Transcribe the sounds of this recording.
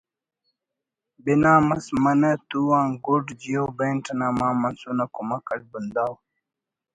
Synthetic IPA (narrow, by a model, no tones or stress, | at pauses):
binaːmɐsmɐnɐt̪uwãːŋɡuɖd͡ʑijobenʈnaːmaːmɐnsunakumɐkɐʈ̚bund̪aːw